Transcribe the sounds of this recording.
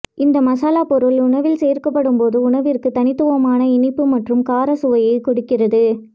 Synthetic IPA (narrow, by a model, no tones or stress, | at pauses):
ɪnd̪ɐmɐsaːlaːpɔɾɯlʊɳɐʋɪlsejɾkɐpːɐɽɯmpoːðɯʊɳɐʋɪrkɯt̪ɐnɪt̪ːɯʋɐmaːnɐɪnɪpːɯmɐʈrɯmkaːɾɐsʊʋɐjɐɪkɔɽʊkːɪrɐðɯ